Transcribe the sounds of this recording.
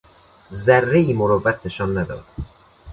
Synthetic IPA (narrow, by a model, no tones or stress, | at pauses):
zærːeiːmoɾovːæt̪ʰne̞ʃɒːnːæd̪ɒ̰ːd̪̥